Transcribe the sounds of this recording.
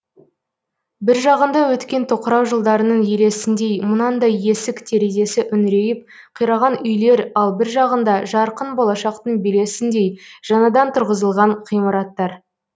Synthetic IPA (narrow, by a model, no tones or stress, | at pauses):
bɪɾʒɑʁənd̪ɑwɵt̪kʲe̞nt̪ʰoqəɾɑwʒəlˠd̪ɑɾənəɴjele̞sɪnd̪e̞jmʊnɑnd̪ɑje̞sɪkt̪ʰe̞ɾeze̞sɪʔʏnɾe̞jɪp̚ | qʰijɾɑʁɑnʏjle̞ɾɑlˠbɪɾʒɑʁənd̪ɑʒɑɾqənbo̞lˠɑʃɑqt̪əɴbele̞sɪnd̪e̞jʒ̥ɑnɑd̪ɑnt̪ʰʊɾʁəzəlˠʁɑɴqʰijməɾɑt̪ːɑɾ